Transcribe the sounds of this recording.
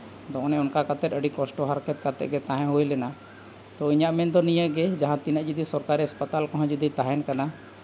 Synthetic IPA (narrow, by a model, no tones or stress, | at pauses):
d̪ɔʔɔ̃nɛ̃ʊnkakat̪ɛt̪əɖikɔsʈɔɦaɾkɛt̪̚kat̪ɛ̰ʔɡɛt̪ãɦɛ̃ɦojlɛna | t̪ɔiɲaʔmɛnd̪ɔnijəɡɛd͡ʒaɦãt̪inəʔd͡ʒid̪isɔɾkaɾiaspət̪alkɔɦãd͡ʒɔd̪it̪aɦɛnkana